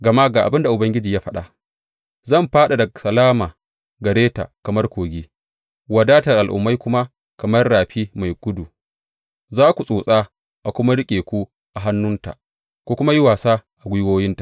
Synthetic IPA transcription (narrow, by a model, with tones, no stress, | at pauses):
ɡɐ˨ma˦ɡaː˨ʔa˨bɪ˦nda˨ʔʊ˨bɐ˦ŋɡʲɪ˦d͡ʒiː˨jaː˦ɸɐ˦ɗa˨ | zɐ˦˨mɸaː˦ɗa˨dɐ˨sɐ˨laː˦maː˨ | ɡɐ˨ɽeː˦ta̰˨kɐ˨mɐ˦rkʷoː˨ɡʲiː˦ | wɐ˨daː˦ta˨ʔa˨lʔʊ̰˨mːa˦jkʷʊ˦ma˦ | kɐ˨mɐ˦rɽaː˨ɸiː˦ma˨jɡʷʊ˦du˨ | zaː˦kʷu˨sʼoː˨sʼaː˦ | ʔa˨kʷʊ˦ma˦ɽɪ˦kʲʼeː˨kʷu˦ | ʔa˨ɦa˦nːʊ˦nta̰˨ʔ | kʷoː˦kʷʊ˦ma˦ji˦waː˨saː˦ʔa˨ɡʷʊ˦woː˦jɪ˦ntḁ˨ʔ